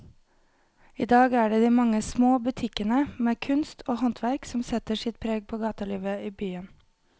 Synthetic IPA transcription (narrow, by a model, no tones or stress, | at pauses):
ḭːd̪ɑːɡæːɖeːd̪iːmɑŋəsmoːbʉt̪ʰɪkənəmeːkʰʉnst̪ʰoːhɔnt̪ʰʋæɾksɔm̩sɛt̪əsɪt̪̚pʰɾeːɡ̚pʰoːɡɑːt̪əliːʋəiːbyːən